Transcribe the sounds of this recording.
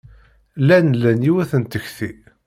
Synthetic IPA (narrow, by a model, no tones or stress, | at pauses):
lænlænjiwæθənt̪əçθi